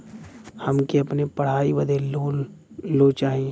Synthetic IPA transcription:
hɐmkiɐpnepɐɽ̤aːiʋɐd̪ʱeloloːt͡ʃaːɦi

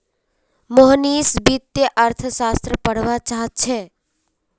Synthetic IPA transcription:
moɦniːsbit̪ːeʔəɾt̪ʰəsaːst̪ɾəpəɽ̤ʋat͡ʃaːɦət̪̚t͡ʃʰɛː

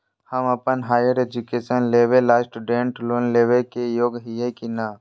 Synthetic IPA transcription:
həməpənɦaːjəɾeːd͡ʒukeːʃənleːʋelaːsʈuɖẽɳʈloːnleːʋekejoːɡɦijekinaː

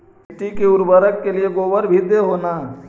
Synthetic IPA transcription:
ʈikeʊɾbəɾəkːelieɡoːʋəɾbʱid̪eɦoːnaː

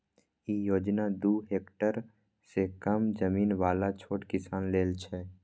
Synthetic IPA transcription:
ijoːd͡ʒnad̪uːɦeːkʈəɾ | sekəmd͡ʒəmiːnʋaːlat͡ʃʰoːʈkɪsaːnleːlt͡ʃʰɛ

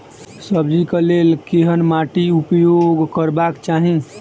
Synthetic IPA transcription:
səbd͡ʒikəlelkeɦənmaʈiupjoɡkəɾbakt͡ʃaɦĩ

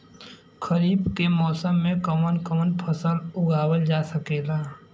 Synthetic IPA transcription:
kʰəɾiːbkemɔːsəmːẽkəmənkəmənpʰəsəlʊɡʱaːwəld͡ʒaːsəkeːlaː

